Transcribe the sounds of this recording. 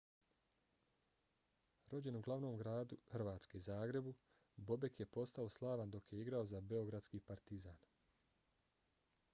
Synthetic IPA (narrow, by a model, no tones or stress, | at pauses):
ɾo̞d͡ʑe̞nuɡlˠaʋno̞ːmɡɾaːd̪uhr̩ʋaːt̪ske̞zaːɡɾe̞bu | bo̞be̞kje̞po̞st̪aoslˠaːʋand̪o̞kjeiɡɾao̞zabe̞o̞ɡɾad̪skipaɾt̪izaːn